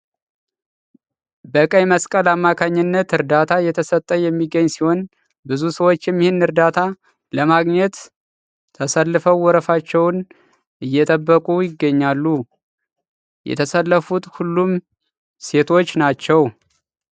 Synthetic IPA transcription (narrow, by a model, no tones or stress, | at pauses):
bəkʼəjməskʼəlamːakʰaɲːɨnːət̪ɨɾd̪at̪ʰajɛt̪ʰəsət̪ʼːəjɛmːiɡəɲːsiho̞n | bɨzusəwo̞t͡ʃːɪmjɪhɪnɨɾd̪at̪ʰa | ləmaɡɲɛt̪ʰː | əsəlːɨfəwːɔɾəfat͡ʃːɛwn | ʔɨjːɛt̪ʼəbːəkʼujɪɡːəɲːalːu | jɛ̰t̪ʰəsəlːəfut̪hulːum | se̞t̪ʰo̞t͡ʃːnat͡ʃːɛw